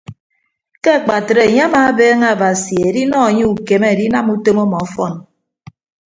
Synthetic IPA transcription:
ke˦a˨k͡pa˨tɾe˨e˨ɲe˦a˦maː˨˦beː˦ŋe˦a˨ba˨si˨e˨di˦nɔ˦e˨ɲe˦u˨ke˨me˦e˨ɾi˦na˦mu˦to˦mo˦mɔ˨ɔ˦fɔ˦˨n

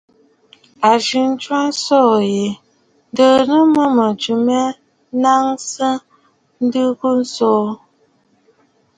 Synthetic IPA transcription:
a˨ʒi˨n̩˦t͡ʃwa˦n̩˦sɔ˦˨je˨ | n˦də˦˨nə˦mə˦mə˨d͡ʒu˨mɛ˦ | na˦ŋsə˦ | n̩˦dɨ˦ku˦n̩˦sɔː˦

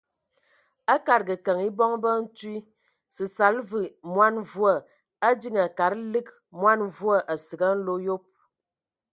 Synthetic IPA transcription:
ə˦ka˨ɾɡə˨kə˨ŋi˦bɔ˦ŋbə˦n̩˦twi˦ | sɨ˨sa˨˦lvɨ˨mwa˦n˨vu˦ə˦˨ | ə˦di˦ŋə˨ka˨ɾlɨ˦k̚ | mwa˦n˨vu˦ə˦ʔə˨sə˨ɡə˦n̩˦lo˦jo˦p̚

